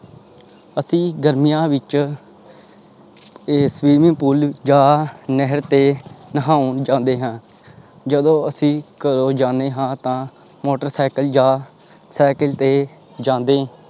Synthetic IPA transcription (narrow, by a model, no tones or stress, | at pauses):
əsĩːɡəɾmijãːʋɪt͡ʃ | sʋiːmɪ̃ŋpʊld͡ʒaːnəɦəɾt̪eːnəɦaːʊnd͡ʒãːnd̪eːɦãː | d͡ʒəd̪õːəsĩːkəɾoːd͡ʒãːnd̪eːɦãːt̪ãː | moːʈəɾsaːkəld͡ʒaː | saːkəlt̪eː | d͡ʒãːnd̪ẽː